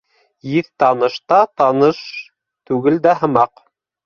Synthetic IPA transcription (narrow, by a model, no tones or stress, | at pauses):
jiθt̪ɑnɤ̆ʃt̪ɑt̪ɑnɤʃ | t̪ʉɡɘld̪æɦɤ̆mɑq